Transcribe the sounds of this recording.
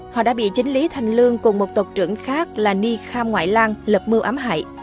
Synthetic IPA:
hɔ̰˧˨ɗa̰ː˧˥ɓḭ˧˨t͡ɕï˨˦ŋ̟li˨˦t̪ʰa˨˩jŋ̟lɨ˧əŋkʊ˨˩ŋ͡mmo˨˩t̚t̪o˨˩k͡p̚t͡ɕɨ̰˧˩əŋxaː˦˥k̚laː˨˩ni˧xaː˧mŋwa̰ː˧˨jlaː˧ŋlə˨˩p̚mɨ˧əwʔaː˨˦mɦa̰ː˧˨j

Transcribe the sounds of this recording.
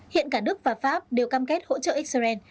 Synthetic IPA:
hḭ˧˨ənkaː˧˩nɨ˦˥ək̚vaː˨˩faː˦˥p̚ɗe˨˩wkaː˧mke˦˥t̚ho̰˧˥t͡ɕə̰ː˧˨ʔi˦˥k̚sə˧zɛ˧n

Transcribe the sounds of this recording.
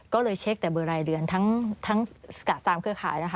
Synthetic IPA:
kɔː˥˩lɤː˧jt͡ɕʰe˦˥k̚t̪ɛː˨˩bɤː˧ɾaː˧jɾɯ˧ənt̪ʰa˦˥ŋt̪ʰa˦˥ŋska˨˩t̪̚saː˧mkʰɯ˧əkʰaː˩˦jna˦˥˩kʰa˥˩

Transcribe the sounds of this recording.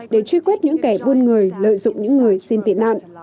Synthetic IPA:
ɗe˧˩t͡ɕwi˧kwɛ˦˥t̚ɲɨ̰˧˥ŋkɛ˧˩ɓo˧nŋɨ˨˩əjlə̰ː˧˨jzʊ̰˧˨ŋ͡mɲɨ̰˧˥ŋːɨ˨˩əjsi˧nt̪ḭ˧˩əna̰ː˧˨nʔ

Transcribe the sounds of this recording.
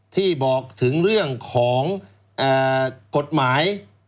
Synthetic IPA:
t̪ʰiː˥˩bɔː˨˩k̚t̪ʰɯ˩˦ŋɾɯ˥˩əŋkʰɔː˩˦ŋ | ʔaː˨˩ko˨˩t̪̚maː˩˦j

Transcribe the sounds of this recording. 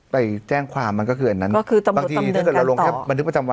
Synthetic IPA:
pa˧jt͡ɕɛː˥˩ŋkʰwaː˧mːa˧nkɔ˥˩kʰɯː˧ʔa˧nːa˦˥nkɔ˥˩kʰɯː˧t̪a˧mba˧˨˩t̪iː˧˥˧kɤ˨˩ɾa˧lo˧ŋʰɛ˥˩ba˧nt̪ʰɯ˦˥pa˧t͡ɕa˧mwa˧

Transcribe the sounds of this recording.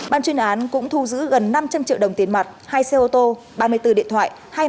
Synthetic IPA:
ɓaː˧nt͡ɕwi˧ənʔaː˨˦nkʊ̰˧˥ŋ͡mt̪ʰu˧zɨ̰˧˥ɣə˨˩nːa˧mt͡ɕa˧mt͡ɕḭ˧˨wə˨˩wŋ͡mt̪i˨˦ənma˨˩t̚haː˧jse˧ʔo˧t̪o˧ | ɓaː˧˩mɨ˧əjt̪ɨ˧˩ɗḭ˧˨ənt̪ʰwa̰ː˧˨j | haː˧j

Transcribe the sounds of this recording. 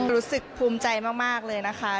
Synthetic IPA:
ɾuː˦˥sɯ˨˩k̚pʰuː˧mt͡ɕa˧jmaː˥˩k̚maː˥˩k̚lɤː˧jna˦˥kʰa˦˥

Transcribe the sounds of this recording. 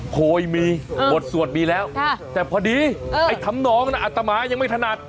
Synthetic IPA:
kʰoː˧˩jmiː˧bo˨˩t̪̚su˨˩ət̪̚miː˧lɛː˦˥wt̪ɛː˨˩pʰɔː˧diː˧a˧˩jt̪ʰa˦˥˦mnɔː˨˥ŋna˦˩ʔa˨˩t̪ːa˧maː˧˦ja˧ŋma˥˩jt̪ʰna˨˩t̪̚

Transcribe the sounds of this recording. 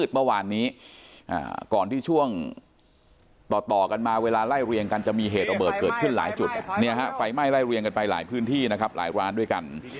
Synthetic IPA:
t̪̚mɯ˥˩waː˧nːiː˦˥ʔa̰ː˨˩kɔː˨˩nt̪ʰiː˥˩t͡ɕʰu˥˩əŋ | t̪ɔː˨˩t̪ɔː˨˩ka˧nmaː˧weː˧laː˧la˥˩jɾi˧əŋka˧nt͡ɕa˨˩miː˧ɦeː˨˩t̪̚ɾa˧bɤː˨˩t̪̚kɤː˨˩t̪̚kʰɯ˥˩nla̰ː˩˦jt͡ɕu˨˩t̪̚ni˧˦˥ɐɦa˦˥fa˧jma˥˩jla˥˩jɾi˧əŋka˧npa˧jla̰ː˩˦jpʰɯː˦˥nt̪ʰiː˥˩na˦˥kʰp̚la̰ː˩˦jɾu˧ʔaː˧ndu˥˩jka˧n

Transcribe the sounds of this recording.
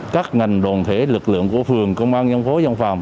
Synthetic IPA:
kaː˦˥k̚ŋa˨˩jŋ̟ɗo˨˩nt̪ʰe˧˨˦lɨ˨˩k̚lɨ̰˧˨əŋku˧˩əfɨ˨˩əŋkə˧wŋ͡mʔaː˧nɲa˧nfo˨˦za˧nfa̰ː˨˩m

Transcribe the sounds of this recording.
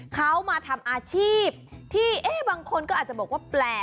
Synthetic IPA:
kʰa˦˥wmaː˧t̪ʰa˧mʔaː˧t͡ɕʰiː˥˩p̚t̪ʰiː˥˩ʔeː˦˥˩baː˧ŋkʰo˧nkɔː˥˩aː˨˩t̚t͡ɕa˨˩bɔ˨˩k̚waː˥˩plɛː˨˩

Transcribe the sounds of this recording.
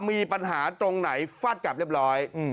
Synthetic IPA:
miː˧pa˧nɦaː˩˦t̪ɾo˧ŋna˩˦jfaː˦˥˩t̪̚ka˨˩p̚ɾli˥˩p̚ɾɔː˦˥j

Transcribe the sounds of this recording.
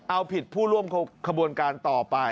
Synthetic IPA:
ʔa˧wpʰi˨˩t̪̚pʰuː˥˩ɾu˥˩əmkʰa˧bu˧ənkaː˧nt̪ɔː˨˩pa˧

